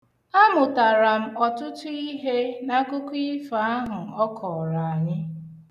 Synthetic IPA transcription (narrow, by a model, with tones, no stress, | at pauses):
a˦mʊ˨ta˨ɾa˨m̩˦ɔ˨tʊ˦tʊ˦i˦ɦe˦na˦kʊ˦kʷi˦fa˨˦a˦ɦʊ˨ɔ˦kʰɔ˨ɾa˨a˨ɲɪ˦